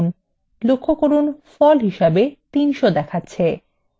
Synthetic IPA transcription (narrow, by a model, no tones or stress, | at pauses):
n | lokʰːokoɾunfɔlɦiʃabet̪inʃod̪ɛkʰatːɕʰe